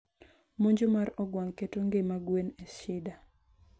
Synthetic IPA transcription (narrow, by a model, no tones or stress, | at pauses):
moɲd͡ʒomaɾɔɡwaŋketoŋɡemaɡweneʃɪda